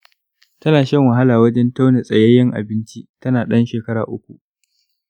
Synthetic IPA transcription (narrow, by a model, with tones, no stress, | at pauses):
tɐ˦naː˨ʃɐ˦ŋwɐ˨ɦa˦laː˨wɐ˦d͡ʒɛ˦nta˦wnɛ˨sʼɐ˨jɐ˦jɪ˦ŋʔa̰˨bɪ˦nt͡ʃi˦ʔtɐ˦naː˨ɗɐ˦nʃeː˨kɐ˦ɾa̰ː˨ʔʊ˦kʷu˨ʔ